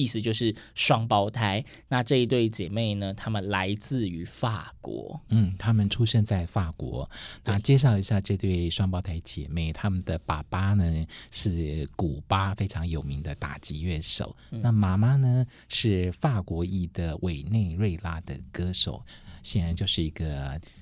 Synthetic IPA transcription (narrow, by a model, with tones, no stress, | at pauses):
i˥˩sɹ̩˧t͡ɕjo˥˧ʊʂɻ̩˥˩ʂwɑ˥ŋpɑ˥ʊt̪ʰa˧˥ɪ | na˥˧ʈ͡ʂɤ˥˧i˦˥t̪we˥˩ɪt͡ɕjɛ˨˩me˥˩ɪnə˩t̪ʰa˥mə˨nla˧˦ɪt͡sɹ̩˥˩y˧˥fa˥˩kwɔ̰˧˥˦n̩˥˩t̪ʰa˥mə˨nʈ͡ʂʰu˥ɕɛ˥˧nt͡sa˥˧ɪfa˥˩kwɔ̰˧˥na˥˩t͡ɕjɛ˥ʂ̬ɑ˥˩ʊi˧˥ɕja˥˧ʈ͡ʂɤ˥˧t̪we˥˩ɪʂwɑ˥ŋpɑ˥ʊt̪ʰa˧˥ɪt͡ɕjɛ̰˨˩me˥˩ɪt̪ʰa˥mə˨nd̪ə˩pa˨˩pa˥nə˨ʂɻ̩˥˩ku˨˩pa˥fe˥ɪʈ͡ʂʰɑ˧˥ŋjo˨˩ʊmi˧˥ŋd̪ə˧t̪a̰˨˩t͡ɕi˧˥ɥɛ˥˩ʂo̰˨˩˦ʊna˥˩ma˧˨˩ma˥nə˧ | ʂɻ̩˥˩fa˥˩kwɔ˧˥i˥˩d̪ə˨wʔe˨˩ɪne˥˧ɪɻwe˥˩ɪla˥d̪ə̰˨˩kɤ˥ʂo̰˨˩˦ʊɕjɛ˨˩nɻa˧˦nt͡ɕjo˥˧ʊʂɻ̩˥˩i˧˥ɡə˧